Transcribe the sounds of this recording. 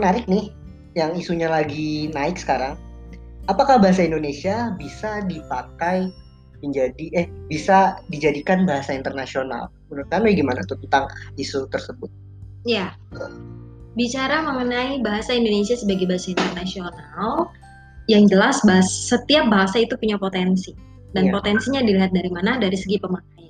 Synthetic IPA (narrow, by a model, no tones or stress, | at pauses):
mənaɾɪk̚nɪh | jaŋisuɲalaɡinaɪksə̥kaɾaŋ | apakahbaɦasaindonesiabisadipakaj | məɲd͡ʒadiɛhbisadid͡ʒadikanbaɦasaint̪ərnasiona̰l | unʊkanujɛɡimana̰t̪ut̪ənt̪aŋisut̪ərsəbʊt̪̚ | ja | bit͡ʃaɾaməmənaibaɦasaindonesiasəbaɡajbaɦasaint̪ərnasional | jaŋd͡ʒəlasbassət̪iap̚baɦasait̪upuɲapot̪ɛnsi | danpot̪ɛnsiɲadiliɦat̪̚daɾimanadaɾisəɡipəmanaja